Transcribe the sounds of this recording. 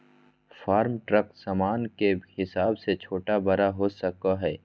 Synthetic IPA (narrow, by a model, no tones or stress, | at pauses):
faːɾmʈɾəksaːmaːnkehɪsaːbset͡ʃʰoːʈabɐɾaɦosɐkaɦɛː